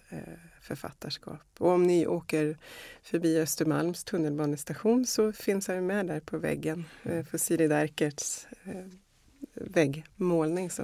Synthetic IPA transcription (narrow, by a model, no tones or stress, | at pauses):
fœɾfa̰t̪ːaʂkɑ̰ːpɔɔmnɪʔoːkəɾfœɾbiːœst̪əɾma̰lmst̪ʰɵnːəlbɑːnəst̪aɧuːnsɔfɪnːshajɵmɛd̪æɾpʰɔvɛ̰ɡːənfɔsiːd̪ɪd̪æɾkəʈs | vɛɡːmoːlnɪŋsɔ